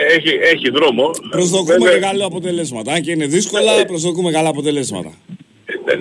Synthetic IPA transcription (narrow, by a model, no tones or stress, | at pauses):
eçieçiðɾo̞mopɾozðokumemeɣɐloɐpo̞t̪e̞le̞zmɐt̪ɐɐɲceine̞ðisko̞lɐpɾo̞zðokumeɣɐlɐːpo̞t̪e̞le̞zmɐ̰t̪ɐ̰